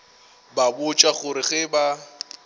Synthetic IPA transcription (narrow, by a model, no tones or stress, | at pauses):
babʊt͡ʃʼaχʊɾɪɣɛba